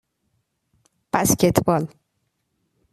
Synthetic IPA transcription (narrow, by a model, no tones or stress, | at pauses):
b̥æscet̪ʰbɒl